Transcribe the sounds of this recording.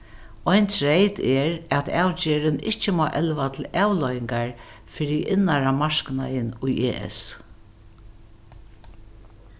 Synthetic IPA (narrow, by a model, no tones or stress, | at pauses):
ɔjnt̪ʰɹejt̪ɛɾæt̪aːwt͡ɕeːɾɪnɪht͡ʃəmɔːʔɛlʋat̪ʰl̩aːwlɔjɪŋkaɹ | fɪɾɪʔɪnaɾamaɹkna̰jɪnʊjʔeːʔɛ̰s